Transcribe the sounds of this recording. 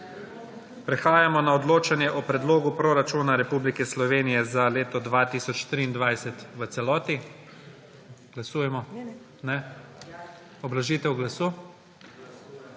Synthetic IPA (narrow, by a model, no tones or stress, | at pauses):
pɾɛxaːjamɔnaɔd̪loːt͡ʃanjɛʔɔpɾɛd̪loːɡupɾoɾat͡ʃuːnaɾɛpublikɛslɔʋeːnijɛzaleːt̪ɔd̪ʋat̪iːsɔt͡ʃt̪ɾiːnd̪ʋajsɛt̪ʋəsɛlɔːt̪i | ɡ̥lasuːjɛmɔ | nɛ | ɔblaʒiːt̪ɛwɡlasuː